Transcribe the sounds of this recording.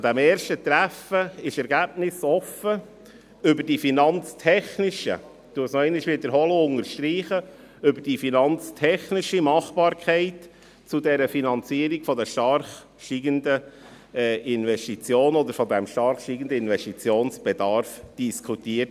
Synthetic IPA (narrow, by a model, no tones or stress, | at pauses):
d̪æmeːɾʃtət̪ɾæfəɪʃɛɾɡæb̚nɪsɔfə | ʏbəɾd̥ifinɑnt͡stʰɛχnɪʃə̰ | t̪uəsnɔɛɪnɪʃʋɪdəɾɦɔləʊŋəɾʃtɾiːχə | ʏbəɾd̥ifinɑnt͡stʰɛχnɪʃimɑχb̥ɑːɾkʰɛɪt | t͡sudɛɾəfinɑnt͡siːəɾiɡfɔd̪ɛʃtɑɾχ | ʃiɡəndə | ɛʔɪnʋɛstit͡sjoːnɔd̪əɾfɔd̪æmʃtɑrχʃtiɡən̩d̪əɪnʋɛstit͡sjoːnsb̥ɛdɑɾfd̥iskʰutiːət